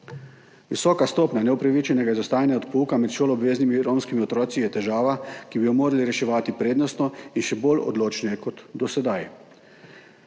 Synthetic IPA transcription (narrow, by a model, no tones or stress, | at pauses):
ʋisɔːkast̪oːpnʲanɛɔpɾaʋit͡ʃɛnɛɡaizɔst̪aːjnjaɔt̪puːkamɛt̪ʃoːlɔːbʋeːznimiɾoːmskimiɔt̪ɾɔːt̪sijɛt̪ɛʒaːʋakibijɔmoːɾaliɾɛʃɛʋaːt̪ipɾeːd̪nɔst̪nɔinʃɛbolɔ̰d̪loːt͡ʃnɛjɛkɔt̪d̪ɔsɛd̪aj